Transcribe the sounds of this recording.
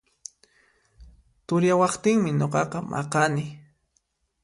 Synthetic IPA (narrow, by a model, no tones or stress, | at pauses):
t̪ʊɾjawɑχt̪ɪŋmɪɲoqɑqɑmʔɑ̰qɑnɪ